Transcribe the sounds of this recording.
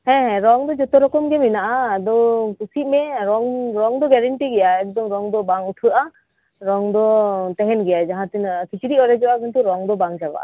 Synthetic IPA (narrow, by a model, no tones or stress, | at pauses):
hɛ̃ɦɛ̃ɾɔŋd̪ɔd͡ʒɔt̪ɔɾɔkɔmɡɛminaʔad̪ɔkusit̪̚mɛɾɔŋɾɔŋd̪ɔɡɛɾɛɳʈiɡɛjaɛk̚d̪ɔŋɾɔŋd̪ɔbaŋuʈʰɯʔa | ɾɔŋd̪ɔt̪ɛɦɛnɡɛjad͡ʒaɦãt̪inkʰit͡ʃiɾiɔɾɛd͡ʒɔakɔnt̪uɾɔŋd̪ɔbaŋd͡ʒaba̰ʔa̰